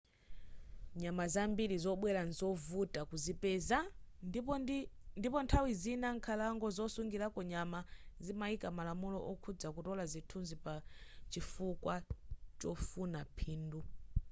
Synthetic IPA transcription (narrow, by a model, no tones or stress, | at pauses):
ɲamazambiɾizɔɓwɛɾanzɔvutakuzipɛza | ndipɔntʰawizinaŋkʰalaŋɡɔzɔsuŋɡiɾakɔɲamazimaikamalamulɔ̰ʔɔkʰud͡zakutɔlazitʰunzipat͡ʃifukwat͡ʃɔfunapʰiːndu